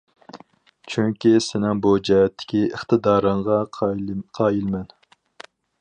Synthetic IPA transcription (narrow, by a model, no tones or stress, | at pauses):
t͡ʃʰyŋkʲisɪnɪŋbud͡ʒiɦɛt̪ʰːɪ̥kʲiəχt̪ʰɨd̪ɑːɾəɴʁɑ | qʰɑːjilmɛn